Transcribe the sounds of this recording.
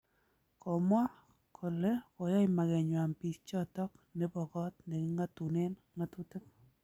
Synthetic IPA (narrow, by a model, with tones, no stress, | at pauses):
kɔ˨mwa˦ | kʰo˨le˦kɔ˨jɔ˦jma˨kɛ˨ɲwa˨mpi˨st͡ʃɔ˦tɔ˦kne˦pɔ˨kɔ˦tnɛ˨kɪ˦ŋa˦tu˨ne˦n | ŋa˦tu˦tɪ˦k̚